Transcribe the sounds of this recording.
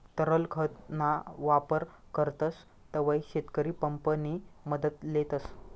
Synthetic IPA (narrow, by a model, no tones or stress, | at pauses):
t̪əɾəlkʰət̪naʋapəɾ | kəɾt̪əs | t̪əʋaiɕet̪kəɾiːpəmpəniməd̪ət̪let̪əs